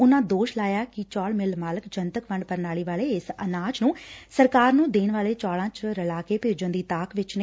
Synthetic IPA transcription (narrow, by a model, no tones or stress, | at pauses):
ʊnãːd̪oːʃlaːjaːkɪt͡ʃɔːɭmɪlmaːləkd͡ʒənt̪əkʋəɳɖpəɾnaːɭiːʋaːɭeːɪsənaːt͡ʃnũːsəɾkaːɾnũːd̪eːnʋaːleːt͡ʃɔːlãːt͡ʃɾəlaːkeːpɪːɾd͡ʒə̃nd̪iːt̪aːkʋɪt͡ʃne